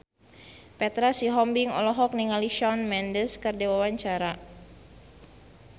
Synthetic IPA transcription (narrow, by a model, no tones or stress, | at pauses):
pɛt̪ɾasiɦɔmbiŋɔ̰lɔɦɔk̚niŋaliʃɔnmɛndəskərd͡ʒawawaɲt͡ʃaɾa